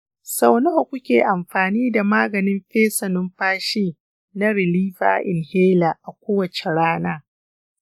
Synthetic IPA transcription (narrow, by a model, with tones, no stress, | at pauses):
sa˨wno˦˨kʷʊ˦kʲeː˨ʔa˨mɸaː˨niː˦da˨maː˦ɡɐ˨nɪ˦mɸeː˦sɐ˨nʊ˦mɸaː˦ʃeː˦ | na˦ɾɪ˨liː˦fa̰ː˨˦ʔɪ̰˨nheː˦laː˨ʔa˨kʷoː˦wɐ˨t͡ʃe˨ɽaː˦naː˦